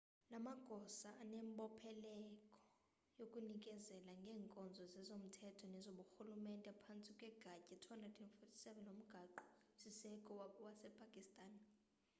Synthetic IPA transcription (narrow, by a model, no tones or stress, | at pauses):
lamaɡ̥ʱɔsaːnɛmɓɔpʰɛlɛkʼɔ̥ | jokʼunikʼɛzɛlaŋɡʱɛːŋkʼɔnd͡zʱɔzɛzom̩tʰɛtʰɔnɛzoɓuxulumɛntʼɛpʰant͡sʼikʼwɛɡ̥ʱacʼɛtʰwandʱatʰʼɛnfɔtʰi̥sɛvɛnom̩ɡ̥ʱaǃu̥ | sisɛkʼɔwasɛpʰʼakʼistʼaːn